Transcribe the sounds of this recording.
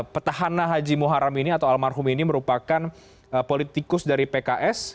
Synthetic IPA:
pərt̪aɦananɦad͡ʒimuɦaɾaminiat̪awalmarɦʊminiməɾupakan | əpolit̪ikʊsdaɾipekaʔɛs

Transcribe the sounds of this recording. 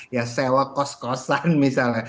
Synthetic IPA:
jasɛwɔkɔskɔsanmisala

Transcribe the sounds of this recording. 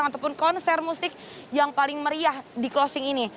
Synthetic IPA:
aŋat̪awpʊnkɔnsɛrmusɪk̚ | jaŋpalɪŋməɾiahdiklɔsɪŋini

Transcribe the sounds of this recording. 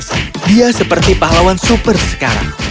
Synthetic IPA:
diasəpərt̪ipaɦlawansupərsə̥kaɾa̰ŋ

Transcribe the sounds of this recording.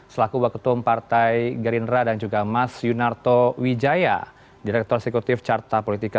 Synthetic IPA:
səlakuwakut̪umpart̪ajɡəɾindɾadand͡ʒuɡamasjunart̪owid͡ʒaja̰ | diɾɛk̚t̪ɔrsɛkut̪ɪft͡ʃart̪apolit̪ika

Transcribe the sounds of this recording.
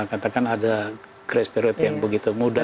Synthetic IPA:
kat̪akanada | kɾɛspiɾʊt̪jaŋbəɡit̪umuda

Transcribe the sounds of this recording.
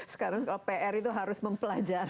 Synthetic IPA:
sə̥kaɾaŋskalapeʔɛɾit̪uɦaɾʊsməmpəlad͡ʒar

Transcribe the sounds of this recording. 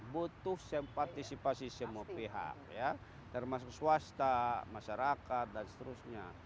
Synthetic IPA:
but̪ʊhsɛmpart̪isipasisɛmuapiɦa̰k̚ja | t̪ərmas̬uksuast̪amaʃaɾakat̪̚danst̪əɾusɲa̰

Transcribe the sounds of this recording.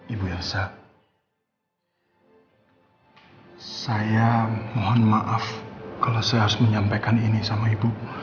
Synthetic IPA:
ibuɛrsa | sajamoɦanmaʔafkalawsajaaɾʊ̥sməɲampakaninisamaibu

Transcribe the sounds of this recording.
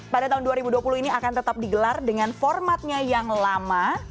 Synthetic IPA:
padat̪aɦunduaɾibuduapuluhiniakant̪ət̪ap̚diɡəlardəŋanfɔrmat̪̚ɲajaŋlama

